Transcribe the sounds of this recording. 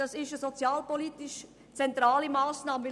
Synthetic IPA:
ɑsɪʃəzot͡sjaːlpoliːtɪʃ | t͡sɛntʁaːlimaːsnaːməvɪ

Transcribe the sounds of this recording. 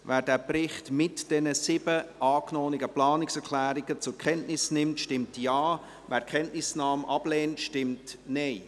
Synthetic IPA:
væːɾdæːprɪχtmɪtd̥ɛnəsɪbəʔɑːknɔːnɪɡəplɑːnɪksɛɾkʰlæːɾɪɡ̥ət͡sʊɾkʰχɛntnɪsnɪmtʃtɪmtjɑː | væːɾkʰχɛntnɪsnɑːmʔɑb̥leːntʃtɪmtnɛɪ

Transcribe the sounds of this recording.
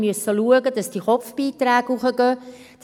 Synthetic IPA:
məsəluəɡəd̥ɑsd̥iχɔfb̥iːt̪ɾæːɡuχəɡ̥œː | d̥

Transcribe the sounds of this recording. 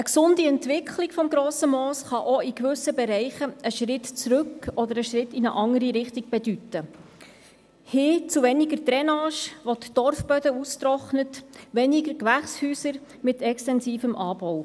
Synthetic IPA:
əksʊndiɛntʋɪkʰlɪɡ̥fɔmɡɾɔːsəmɔːsχɑʔoikvʏsəbɛɾɛɪχəəʃɾɪtt͡sɾɵkɔd̪əɾəʃɾɪtinəʔɑŋəɾiɾɪχtiɡ̥̚b̥ɛd̥ytːə | hɪːt͡suʋɛnɪɡəɾt̪ɾɛnɑːʃʋɔt̪d̥ɔrfb̥œdəust̪ɾɔχnətʋɛniɡəɾkʋæχshyːsəɾ | mɪt̪ɛkstɛnsiːfəmʔɑːb̥ɔw

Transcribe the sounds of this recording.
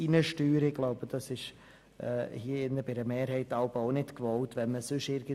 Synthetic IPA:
inəʃtyːɾɪɡ̥laʊbəd̥ɑsɪʃ | ɛːhiːəɪnːəbɪdəmeːɾhɛɪtɑʊboʊnɪtkvɔltʋɛnməsʏʃɪɾɡə

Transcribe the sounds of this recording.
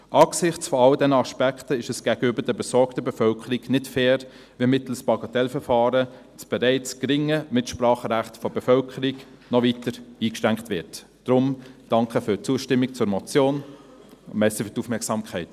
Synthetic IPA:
ʔɑːksɪχt͡sfɔɑldɛnəɑʃpækχtəɪʃəsɡ̥æɡəøbədɛbɛsɔɾktəbɛfœlkʰəɾiknɪtfɛːɾ | ʋimɪtl̩spɑɡɑtɛlfəɾfɑːɾə | t͡sb̥ɛɾɛɪt͡skɾɪŋəmɪtʃprɑːχəɾæχtfɔb̥ɛfœlkʰəɾik | nɔvitəɾiːkʃtæŋkχtʋɪt | d̥ɾʊmd̥ɑŋkʰəfʏt͡suəʃtɪmːik̚t͡sʊɾmɔt͡sjoːn | mɛsəfytufmɛɐksɑmkʰχɛɪt

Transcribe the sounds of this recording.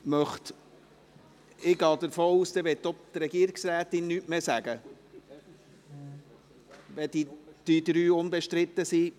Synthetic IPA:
mœχt̪ | ɪɡɑːd̪əɾfoːuːsd̪ɛʋɛtːɔt̪ɾɛɡiəɾɪɡsɾæːt̪ɪnːyːʔmesæɡ̥ə | ʋɛd̥̪id̪̥yːd̪ɾyːʊnbɛʃtɾɪt̪ːəsi

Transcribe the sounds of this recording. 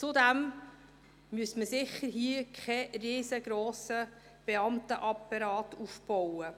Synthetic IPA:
t͡sʊdæm | myəsməsɪχːəɾɦiəkʰχɛriːzəɡ̥ɾoːsə | b̥ɛɑmtəʔɑpːɑɾɑːtufb̥ɔwə

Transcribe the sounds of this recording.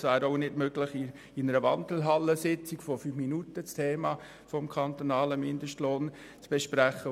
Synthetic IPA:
svæːɾoʊnɪd̥møɡləχɪ | inəɾəʋɑndl̩ɦɑlːəsɪt͡sikfɔfyːfminutət͡stʰeːmɑ | fɔmkʰɑnt̪onɑːləmɪndəʃtloːn | t͡sb̥ɛʃpɾæχə

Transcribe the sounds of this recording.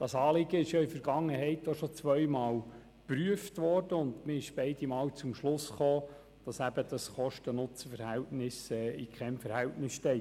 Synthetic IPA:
d̥ɑsɑːlɪɡəɪʃjɑɪfəɾɡɑŋːəhɛɪtːoʃɔt͡sʋœʏmɑːl | pɾyəftʋɔrd̥əʊndmɪɪʃb̥ɛɪdimɑːwt͡sʊmʃlʊsχoː | d̥ɑsæb̥əd̥ɑsχɔʃtənʊt͡səfəɾhɛltnɪsɛːikʰχɛmfəɾhɛltnɪsʃtɛɪt

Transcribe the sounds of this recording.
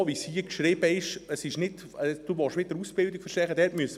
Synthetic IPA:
ʋishiəkʃɾɪːbəɪʃəsɪʃnɪt | əd̥uʋɔʃʋɪdəɾusb̥ɪlˠdɪkfəɾʃtɛχəd̥̪ɛɾtmyəsə

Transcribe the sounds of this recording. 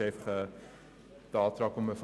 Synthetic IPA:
ɛfχə | d̥ɑːtrɑkɔməfə

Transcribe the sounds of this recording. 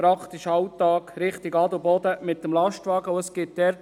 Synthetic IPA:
pɾɑkt̪iʃɑwt̪ɑːkɾɪχt̪iɡɑd̪ʊbɔd̪əmɪt̪ːəmlɑʃtʋɑːɡəʊəsɡ̥ɪt̚d̪ɛɾt

